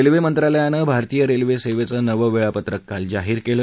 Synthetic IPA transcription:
elʋemənt̪ɾaləjanəbʱaɾt̪ijəɾelʋeseʋet͡səːnəʋəʋeɭapət̪ɾəkːald͡zaɦiːɾkelə

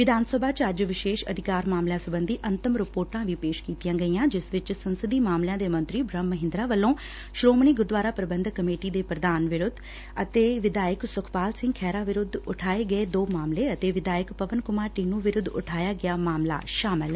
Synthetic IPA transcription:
ʋɪd̪aːnsəbʱaːt͡ʃəd͡ʒʋɪʃeːʃə̰d̪ʱɪkaːɾmaːmljãːsəbə̃nd̪iːʔənt̪əmɾɪpoːɾʈãːʋiːpeːʃkiːt̪ijãːɡəiːãːd͡ʒɪsʋɪt͡ʃsənsəd̪iːmaːmlɪjãːd̪eːmə̃nt̪ɾiːbɾəmːəɦɪ̃nd̪ɾaːʋəlːõː | ʃɾoːmniːɡʊɾd̪ʋaːɾaːpɾəbənd̪ʱkəmeːʈiːd̪eːpɾəd̪aːnʋɪɾʊd̪ | ət̪eːʋɪd̪aːjəksʊkʰpaːlsɪ̃ŋɡkʰɛːɾaːʋɪɾʊd̪ʊʈʰaːeːɡəeːd̪oːmaːmleːət̪eːʋɪd̪aːjəkpəʋənkʊmaːɾʈiːnũːʋɪɾʊd̪ʊ̰ʈʰaːjaːɡɪaːmaːmla̰ːʃaːmɪl

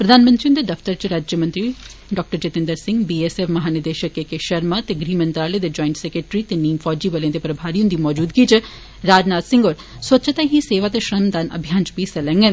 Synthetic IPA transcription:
pɾəd̪aːnmə̃nt̪ɾiond̪eːd̪əfʰt̪əɾt͡ʃɾaːd͡ʒjəmə̃nt̪ɾiːɖɔːk̚ʈəɾt͡ʃet̪ɪ̃nd̪əɾsɪ̃ŋɡbiːesɛfmɐɦaːnɪd̪eːʃəkekeʃəɾmaːt̪eːɡɾiːmə̃nt̪ɾaːled̪eːd͡ʒɔːɪ̃ɳʈsɛkɾeːʈɾiːt̪eːniːmfʰɔːd͡ʒiːbəleãd̪eːpɾəbʱaːɾijõnd̪iːmɔːd͡ʒuːd̪ɡiːt͡ʃ | ɾaːd͡ʒnaːt̪sɪ̃ŋɡoːɾ | sot͡ʃat̪aɦiseːʋaːt̪eʃɾəmd̪aːnə̰bʱjaːnt͡ʃbisɛlɛ̃ːŋɡe

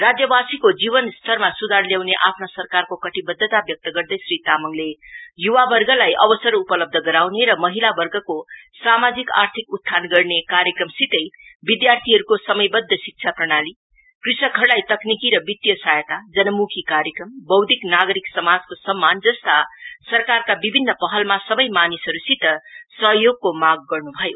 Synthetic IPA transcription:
rad͡zjʌbasikod͡zibʌnst̪ʰʌrmasud̪ʱarljawneʔapʰnosʌrkarkokʌʈibʌd̪ʱːət̪abjʌk̚t̪ʌɡʌɾd̪ʌjsrit̪amʌŋlejuwabʌrɡʌlajʔʌbʌsʌɾupʌlʌb̚d̪ʱʌɡʌɾawneɾʌmʌɦilabʌrɡʌkosamad͡zika̰rt̪ʰikut̪tʰːanɡʌrnekaɾjəkrʌmsit̪ʌjbid̪jart̪ʰiɦʌɾukosʌmʌjbʌd̪ʱːʌsik̚t͡ʃʰaprʌɽ̃ali | krisnʌkʰʌrɽajt̪ʌknikiɾʌbit̪jʌsajət̪ad͡zʌnʌmukʰikaɾjekrʌmbʌwd̪ʱiknaɡʌɾiksʌmad͡zkosʌmːand͡zʌst̪asʌrkarkabibʱinːʌpʌɦʌlmasʌbʌjmanisʌɾusit̪ʌsʌɦjoɡ̚komaɡ̚ːʌrnubʱʌjo

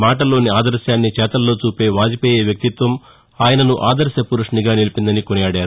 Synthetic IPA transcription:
maːʈɐlo̞ːniaːd̪ɐɾʃjaːnːit͡ʃɛːt̪ɐlːo̞ːt͡ʃuːpe̞ːʋaːd͡ʒipɛːjeːʋjɐk̚t̪it̪ʋɐm | aːjɐnɐnuʔaːd̪ɐɾʃjɐpuɾuʂniɡaːnilipind̪ɐnikonɐjaːɽjaːɾu

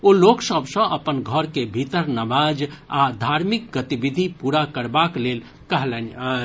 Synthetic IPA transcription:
oloksəbʱsə̃ʔəpənɡʱəɾkebʱit̪əɾnəmad͡ʒad̪ʱaɾmik̚ɡət̪ibid̪ʱipuɾakəɾbaklel | kəɦlɛn

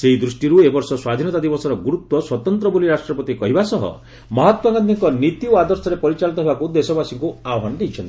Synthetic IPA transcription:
seɦid̪ɾusʈiɾuebɔɾsɔswad̪ʱinɔt̪ad̪ibɔsɔɾɔɡuɾut̪wɔswɔt̪ɔnt̪ɾɔbuliɾasʈɾɔpɔt̪ikɔɦibasɔɦɔ̰ | mɔɦɔt̪waŋɡand̪iŋkɔnit̪ioad̪ɔɾsɔɾepɔɾit͡ʃalit̪ɔɦebakud̪esɔbasiŋkuaɔɦand̪it͡ʃʰɔnt̪i̥

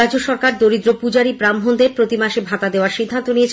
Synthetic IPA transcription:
ad͡ʑoʃɔɾkaɾd̪oɾid̪ɾopud͡ʑaɾibɾamɦond̪eɾpɾot̪imaʃebʱat̪ad̪eoaɾʃid̪ʱːant̪oniet͡ɕʰ

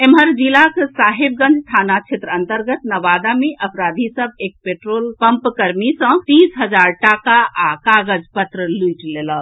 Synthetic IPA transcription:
emɦəɾd͡ʒilaksaːɦib̚ɡə̃nd͡ʒt̪ʰaːnat͡ʃʰet̪ɾəənt̪əɾɡət̪nəʋad̪ameʔəpɾad̪ʱisəb̚eːk̚peʈɾoːlpəmpkəɾmisə̃t̪isɦəd͡ʒaːɾʈakaʔakaɡəd͡ʒpət̪ɾəlujʈlelə

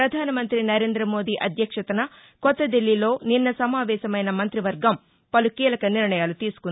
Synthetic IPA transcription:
ɾɐd̪ʱaːnɐmɐnt̪ɾinɐɾe̞ːnd̪ɾɐmo̞ːd̪iːʔɐd̪ʱjɐkʂɐt̪ɐnɐ | kɔt̪ːɐd̪ilːilo̞ːninːɐsɐmaːʋɛːʃɐmɐjnɐmɐnt̪ɾiʋɐɾɡɐm | pɐlukiːlɐkɐniɾɳɐjaːlut̪iːsu̥kun

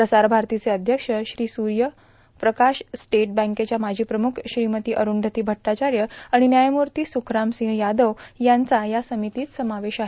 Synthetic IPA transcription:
pɾəsaɾbʱaɾt̪it͡seəd̪ʱjəkʂəɕɾiːsuɾjə | pɾəkaɕsʈeʈ̚bə̃ŋket͡ɕjamad͡ʑʱiːpɾəmukʰɕɾimət̪iːʔəɾuːɳd̪ʱət̪iːbʱəʈːat͡ɕaɾjəaɽ̃injajmuɾt̪iːsukɾamsĩŋɦjad̪əʋjant͡sajasəmit̪iːt̪səmaʋeɕaɦe

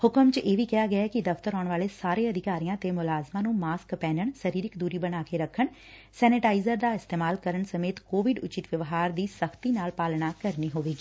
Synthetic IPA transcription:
hʊkəmt͡ʃʔeːʋiːkɛjaːɡɪakid̪əft̪əɾɔːɳʋaːleːsaːɾeːəd̪ɪkaːɾijãːt̪eːmʊlaːzmãːnũːmaːskpɛːnəɳsəɾiːɾɪkd̪uːɾiːbəñaːkeɾəkʰːəɳ | sɛːnɪʈaːɪzəɾd̪aːɪst̪eːmaːlkəɾəɳsəmeːt̪koːʋɪɖʊt͡ʃɪt̪ʋjəʋɦaːɾd̪iːsəkʰt̪iːnaːlpaːlnaːkəɾniːɦoːʋeːɡiː

